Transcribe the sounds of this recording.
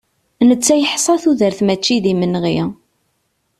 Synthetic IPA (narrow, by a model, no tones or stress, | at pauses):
nət͡sːæjəħsˤɑθuðəɾθmæt͡ʃːiðimənʁi